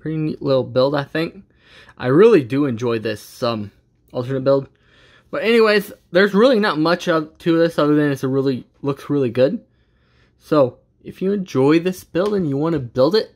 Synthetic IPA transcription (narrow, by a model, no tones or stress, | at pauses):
pʰɹ̥ɪɾinḭʔˡlɪɾl̩ˠbɪlˠdaɪθɪ̃ŋk | ʔa̰ɪɹɪlˠidɨɨ̃nd͡ʒɔɪðɪsʌ̃m | ʔʌlˠtə˞nɨt̚b̥ɪlˠd̚ | b̥ʌɾɛñiweɪzðə˞zɹɪlˠinət̚mʌt͡ʃʌvtʰɨʌðɪsʌvəðɨ̃nɨs̚ɹɪlˠi | lʊksɹɪlˠiɡʊd̥̚ | soʊ | ɨfjɨɨ̃nd͡ʒɔɪðɪsb̥ɪlˠdɨ̃njɨwɑ̃nɨbɪlˠdɪt̚